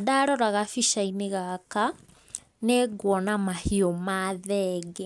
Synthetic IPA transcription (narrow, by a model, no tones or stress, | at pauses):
adaɾɔɾaɣafiʃaineɣaka | neɡwɔnamahiɔmaðɛɡɛ